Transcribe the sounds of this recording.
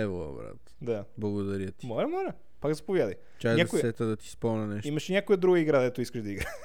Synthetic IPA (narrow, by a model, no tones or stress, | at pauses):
ɛvɐ̰bɾa̰t̪ | d̪ablˠɐɡod̪ɐɾət̪ʲimɔlʲɐmɔlʲɐ | pakzɐpovjad̪ɐj | t͡ʃajzʲɲakojsɛt̪əd̪ɐt̪i̥spɔmnɐnɛʃimɐʃɛnʲakojəd̪ɾuɡəiɡɾad̪d̪ɛt̪ʊiskəʒd̪ɐiɡɾa